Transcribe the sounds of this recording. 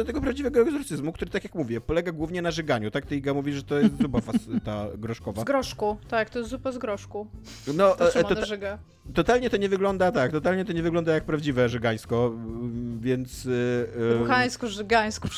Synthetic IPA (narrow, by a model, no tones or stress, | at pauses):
d̪ɔt̪ɛɡɔpɾavd͡ʑivɛɡɔɛɡzɔɾt̪sɘzmukt̪uɾɘt̪akʲjakmuvʲjɛpɔlɛɡaɡwuvɲɛnaʐɛɡaɲut̪ak̚t̪ɛjiɡamuvʲiʐɛt̪ɔjɛst̪zupafasst̪aɡɾɔʂkɔvaɡɾɔʂkut̪ak̚t̪ɔjɛst̪zupazɡɾɔʂku | nɔɔɔʐɛɡa | t̪ɔt̪alɲɛt̪ɔɲɛvɘɡlɔnd̪at̪akt̪ɔt̪̬alɲɛt̪ɔɲɛvɘɡlɔnd̪ajak̚pɾavd͡ʑivɛʐɛɡaj̃skɔ | vʲjɛnt̪s | uxaj̃skɔʐɛɡaj̃skɔ